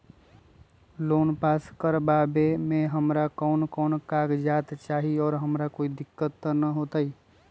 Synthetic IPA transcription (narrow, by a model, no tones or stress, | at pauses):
loːnpaːskəɾbaːbemẽɦəmɾakɔːnkɔːnkaːɡd͡ʒaːt̪t͡ʃaːɦiɔːɾɦəmɾakoːid̪ɪkːət̪ːənəɦoːt̪ai